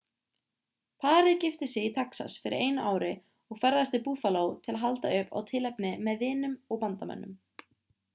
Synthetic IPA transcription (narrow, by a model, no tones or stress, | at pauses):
pʰaːɾɪðcɪft̪ɪsɪɣit̪ʰaksa̰sfɪɾɪ̰ɾʔeːjnaʔaːwɾɪ | ɔɣfɛɾðast̪ɪpuːðfaloːwt̪ʰɪlaɦalt̪aʏpa̰wt̪ʰɪlɛpnɪmɛðvɪːnʏmɔɣpant̪amɛ̰nːʏm